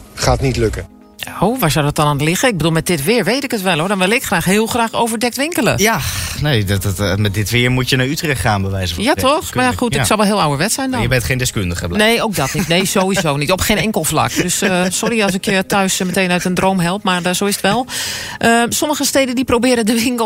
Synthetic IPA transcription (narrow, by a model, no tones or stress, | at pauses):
χaːətnitløkə | owʋaɹsɔwdɔt̚dɔnantlɪɣəɪɡ̚bəduːlˠmɛt̚dɪtʋɪːɹʋejtɪkətʋɛlˠoːɹdɔnʋɪlˠɪkxraːxɦɪːlˠxraːxoːwvəɹdɛk̚tʋɪŋkələ̰janejdtmɛt̚dɪtʋɪəɹmutjənaytrɛxtχaːnbəʋɛ̰jzəfjatɔxmajaxutɪksɔlˠʋɛlˠɪːəlˠawəɹʋɛtsɛjndjəbɛtχejndɪskøndəχəbneːowk̚dɔtnitnejz̥oːizoːnitɔpxeːnɛŋkəlˠfla̰k̚døsəsɔɾiɑlˠs̬ɪkjətœɥsməteːnœɥtəndrowmɦɛlˠpmaɹdz̥owɪsətʋɛlˠ | ʔəsɔməɣəsteːdəndiprowbɪːɾədəʋɪŋkəlˠ